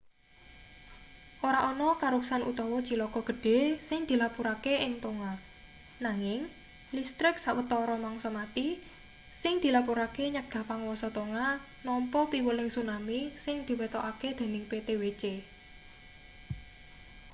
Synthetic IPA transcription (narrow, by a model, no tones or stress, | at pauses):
ʔoɾaʔɔnɔkaɾuksanṵt̪ɔwɔd̥ʒ̥i̤lɔɡ̥ɔɡ̥ə̤ɖ̥e̤sɪŋd̪̥i̤lapuɾakeʔɪŋt̪oŋa | naŋɪŋ | list̪ɾɪksawət̪ɔɾɔmaŋsɔmat̪i | sɪŋd̪̥i̤lapuɾakeɲaɡ̥a̤paŋwɔsɔt̪oŋa | nɔmpɔpiwəlɪŋsunamisɪŋd̪̥i̤wet̪oʔaked̪̥e̤nɪŋpet̪ewet͡ʃe